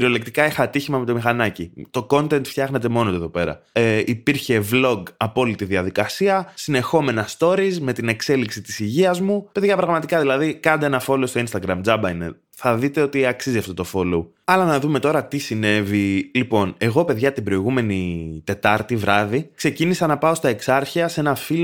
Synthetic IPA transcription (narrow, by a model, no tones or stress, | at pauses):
ɾio̞le̞k̚t̪ikɐixɐːt̪içimɐmet̪omixɐnɐcit̪o̞ko̞nt̪e̞nt̪ft̪çɐɣnet̪e̞mo̞not̪oe̞ðo̞pe̞ɾɐ̰ipiɾçe̞vlo̞ɡɐpo̞lit̪iðiɐðikɐsiɐsine̞xo̞me̞nɐst̪o̞ɾizme̞t̪ine̞kse̞liksit̪i̥siʝiɐzmupe̞ðʝɐpɾɐɣmɐt̪ikɐðilɐðikɐnd̪eenɐfo̞lo̞st̪oinst̪ɐɡɾɐmd͡zɐbɐinḛ | θɐðit̪e̞o̞t̪iɐksiziɐft̪ot̪o̞fo̞lu | ɐlɐnɐðume̞t̪o̞ɾɐt̪isine̞vilipo̞ne̞ɣo̞pe̞ðʝɐt̪ibɾo̞iɣume̞nit̪e̞t̪ɐɾt̪ivɾɐðikse̞cinisɐnɐpɐo̞st̪ɐe̞ksɐɾçiɐse̞nɐfilo